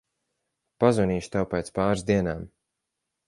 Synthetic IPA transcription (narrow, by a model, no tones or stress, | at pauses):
pazvɔniːʃt̪awpɛːt̪spaːɾzd̪iɛnaːm